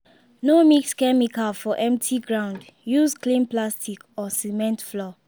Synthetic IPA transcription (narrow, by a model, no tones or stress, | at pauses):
nomikskɛmikalfɔʔɛ̃mtʰiɡɹãʊ̃ndjusklĩnplastikɔsimɛ̃ntflɔ